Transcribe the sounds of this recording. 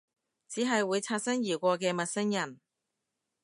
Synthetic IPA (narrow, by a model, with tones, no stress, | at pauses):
t͡siː˨˥ɦɐ˨jwuː˨˧jt͡sʰaː˧t̚sɐ˥ŋjiː˨˩wkʷɔː˧k̬ɛː˧mɐ˨t̚sɐ˥ŋjɐ˨˩n